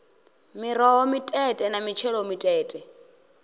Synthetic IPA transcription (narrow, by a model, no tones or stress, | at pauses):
miɾɔwɔmitʼɛtʼɛnamit͡ʃʰɛlɔmitʼɛːtʼɛ